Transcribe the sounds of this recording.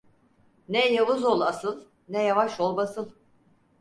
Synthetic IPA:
nɛjavɯzolˠasɯlˠ | nɛjavaʃolˠbasɯlˠ

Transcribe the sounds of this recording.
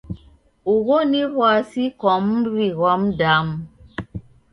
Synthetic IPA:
uɣoniɣwasikɔmɾiɣɔmdam

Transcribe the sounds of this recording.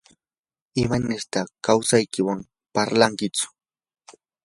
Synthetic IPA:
ɪmanɪɾt̪akawsajkɪwam | paɾlaŋkɪt͡sʊ̥

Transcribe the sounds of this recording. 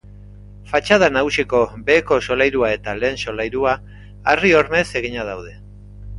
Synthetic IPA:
fat͡ʃað̞anaɣusiko̞be̞ːko̞so̞lajɾuae̞t̪ale̞ːnso̞lajɾuaː | rio̞ɾme̞se̞ɣ̞iɲað̞awð̞e̞

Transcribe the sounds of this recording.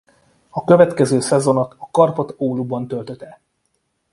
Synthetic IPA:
ɒkø̞vɛt̪kɛzøːsɛzo̞no̞t̪ɒkɒrpo̞t̪oːlubɒnt̪ø̞lt̪øt̪ɛ

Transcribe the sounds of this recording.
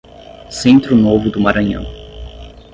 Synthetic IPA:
sẽnt̪ɾʊnovʊd̪ʊmaɾɐ̃ɲɐ̰̃w̃

